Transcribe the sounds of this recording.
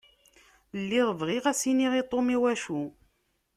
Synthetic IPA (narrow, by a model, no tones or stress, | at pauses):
lːiʁvʁiʁæsiniʁit̪ˤːomiwæʃu